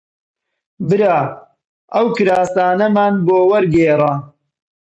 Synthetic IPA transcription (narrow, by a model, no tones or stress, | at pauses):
bɨɾaː | ʔɐwkɨɾaːsaːnɐmaːnboːwɐɾɡeːrɑ